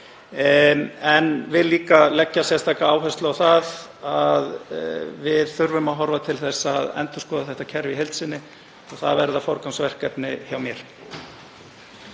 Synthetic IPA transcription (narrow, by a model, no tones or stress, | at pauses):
ɛnvɪðliːkalɛcːasjɛst̪ʰaːkaaːwɦɛst̪lʏawθaðaðvɪðθʏɾvʏmaɦɔɾvat̪ʰɪlθɛsːaðɛ̰nt̪ʏ̥skɔːðaθɛht̪acʰɛɾviɦejlt̪sɪnːɪ | ɔɣθaðvɛɾðafɔɾkansvɛr̥kːɛpnɪçjawmjɛɾ̥